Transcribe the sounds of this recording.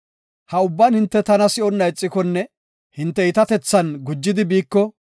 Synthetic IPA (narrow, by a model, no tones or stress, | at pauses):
hɐʊbːɐnhɪnt̪ːɛt̪ɐnɐsɪʔɔnːɐɪt͡sʼːɪkɔnːɛ | hɪnt̪ːɛɪt̪ɐt̪ɛt͡sːɐnɡʊd͡ʒːɪd̪ɪbiːkːɔ